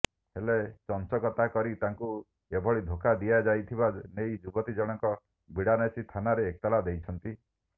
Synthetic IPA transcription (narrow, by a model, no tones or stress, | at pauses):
helet͡ʃɔnt͡ʃɔkɔt̪akɔɾit̪aŋku | ebʱɔɭid̪ʱokad̪ijad͡ʒajt̪ʰibanejd͡ʒubɔt̪id͡ʒɔɽ̃ɔŋkɔ | bʱiɽanesit̪ʰanaɾeːk̚t̪alad̪ejt͡ʃʰɔnt̪i